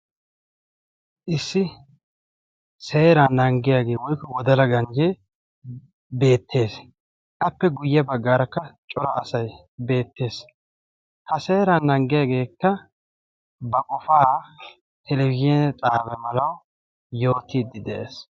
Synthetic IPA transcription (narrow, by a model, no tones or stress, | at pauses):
ʔɪsːɪ | se̞ːɾanːɐŋɡɪjaːɡe̞ːwɔjkːɔwɔd̪ɐlɐɡɐnd͡ʒe | be̞ːt̪ʰːe̞ːs | ʔɐpːɛɡʊjːɐbɐɡːaːɾɐkːɐt͡ʃʼɔɾɐʔːsɐj | be̞ːt̪ːe̞ːs | hɐse̞ːɾanːɐŋɡɪjaːɡe̞ːkːɐ | bɐkʼɔfaː | t̪ʰɛlɛwɪʒɛnɛt͡sʼaːbɛmɐlɐw | jo̞ːt̪ːiːd̪ːɪd̪ɛʔḛːs